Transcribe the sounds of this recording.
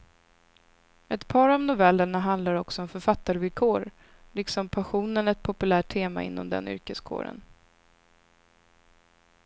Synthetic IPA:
ɛt̪pʰɑːɾɔmnʊvɛlːəɳaɦand̪laɾɔksɔɔmfœɾfat̪ːaɾvɪlkʰoːɾ | lɪksɔmpʰaɧuːnənɛt̪̚pʰɔpɵlæːʈ̚ʰːeːma̰ɪ̰nːɔ̰md̪ɛ̰nʏ̰ɾkəskʰo̰ːɾə̰n

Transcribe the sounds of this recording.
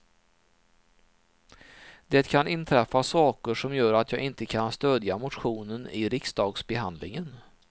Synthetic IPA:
d̪ɛːt̪kʰanɪnt̪ʰɾɛfːasɑːkəʂɔmjœːɾat̪ʰjɑːɡɪnt̪əkʰanst̪øːd̪jamʊt̪ɧuːnənɪɾɪksd̪ɑːɡsbɛɦand̪lɪŋən

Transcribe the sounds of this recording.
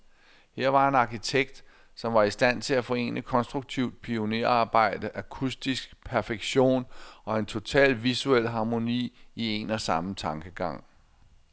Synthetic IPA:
heɐ̰ʋɑ̈e̝nɑ̈kʰit͡sʰeɡ̥̚d̥ | sɒ̽mʋɑ̈isd̥æn̰t͡sʰe̝læfɒ̽e̝̰ːnəkʰɒ̽nsd̥ʁuɡ̥̚t͡sʰiʊ̰d̥̚pʰio̝neɐ̰ɑ̈ːb̥ɑ̈ɪ̰d̥əʔækʰusd̥isɡ̥pʰæɐfeɡ̥ɕo̝̰ːnɒ̽e̝nt͡sʰo̝t͡sʰɛ̰ːlʋisuel̰ɦɑ̈mo̝nḭːie̝nɒ̽sɑ̈mt͡sʰɑ̈ŋɡ̥əɡ̥ɑ̈ŋ̰

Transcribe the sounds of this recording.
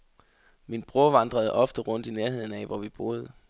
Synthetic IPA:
minb̥ʁuɐʋɑ̈nd̥ʁɐð̞̩ˠɒ̽fd̥əʁɔ̽n̰d̥ineɐɦe̝ð̰ˠn̩ɛʋɒʋib̥o̝ːð̞̩ˠ

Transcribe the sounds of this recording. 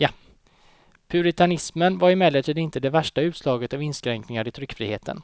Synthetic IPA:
ja | pʰʉɾɪt̪ʰanɪsmənvaɾɪmɛləʈʰiːd̪nɪnt̪əd̪ɛvæʂʈaʉ̟ːt̪slɑːɡət̪avɪnskɾɛŋknɪŋaɾɪt̪ʰɾʏkːfɾḭːhḛːt̪ʰə̰n

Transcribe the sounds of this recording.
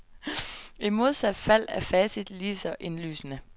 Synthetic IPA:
imo̝ð̞ˠsæd̥fæl̰æfɛːsid̥liːsɐʔe̝nly̰ːsnə

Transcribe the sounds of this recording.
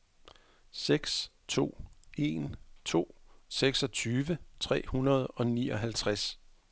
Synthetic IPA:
seɡ̥st͡sʰo̝̰ːe̝̰nt͡sʰo̝̰ːseɡ̥sɒ̽t͡sʰyːʋət͡sʰʁɛ̰ːhunɐð̞ˠɒ̽nḭːɒ̽ɦælt͡sʰʁas

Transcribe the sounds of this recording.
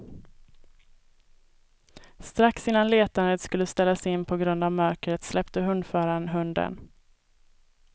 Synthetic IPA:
st̪ɾaksɪnːanleːt̪and̪ət̪skɵlːəst̪ɛlːasɪnːpʰɔɡɾɵnd̪avmœɾkɾət̪slɛpt̪əɦɵnd̪fœːɾanɦɵnd̪ə̰n

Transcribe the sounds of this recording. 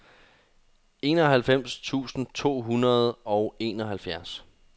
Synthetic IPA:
e̝̰ːnɒ̽ɦælfem̰st͡sʰṵːsn̩t͡sʰo̝̰ːɦunɐð̞ˠɒ̽ʊe̝̰ːnɒɦælfjæɐs

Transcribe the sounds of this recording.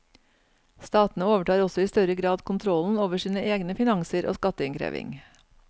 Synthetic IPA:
st̪ɑːt̪n̩əoːʋəʈɑːɾɔsɔiːst̪œɾəɡɾɑːd̪kʰʊnt̪ʰɾɔln̩oːʋəʂiːnəʔeːɡnəfɪnɑŋsəɾʔo̰ːskɑt̪əɪŋkʰɾḛːʋɪ̰ŋ

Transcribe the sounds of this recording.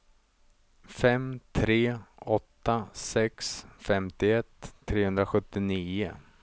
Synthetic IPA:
fɛmt̪ʰɾeːɔt̪ːasɛksfɛmt̪ɪɛt̪ʰːɾeːhɵnd̪ɾaɧɵt̪ːɪniːʊ

